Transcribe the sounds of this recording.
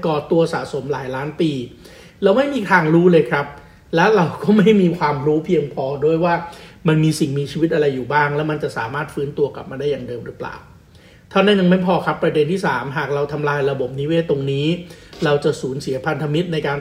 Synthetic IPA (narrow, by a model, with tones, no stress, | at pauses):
kɔː˨˩t̪u˧ɐsa̰ː˩˦so˩˦mlaː˩˦jlaː˦˥npiː˧ | ɾa˧wma˥˩jmiː˧t̪ʰaː˧ŋɾuː˦˥lɤː˧jkʰɾa˦˥p̚ | lɛ˦˥wɾa˧wkɔː˥˩ma˥˩jmiː˧kʰwaː˧mɾuː˦˥pʰi˧əŋpʰɔː˧du˥˩əjwaː˥˩ma˧nmiː˧si˨˩ŋmiː˧t͡ɕʰiː˧wi˦˥t̪̚ʔa˧ɾa˧jːuː˨˩baː˥˩ŋlɛː˦˥wma˧nt͡ɕa˨˩ʔsaː˩˦maː˥˩t̪̚fɯː˦˥nt̪u˧ɐka˨˩p̚maː˧da˥˩jaː˨˩ŋdɤː˧mɾɯː˦˥pla̰ː˨˩w | t̪ʰaː˥˩na˥˩nja˧ŋma˥˩jpʰɔː˧kʰɾa˦˥pːɾa˧de˧nt̪ʰiː˥˩saː˩˦mɦaː˨˩k̚ɾa˧wt̪ʰa˧mlaː˧jɾa˧bo˨˩p̚niː˦˥we˦˥t̪o˧ŋniː˦˥ɾa˧wt͡ɕa˨˩suː˩˦nsi˨˩˦ɐpʰa˧nt̪ʰa˧mi˦˥t̪̚na˧jkaː˧n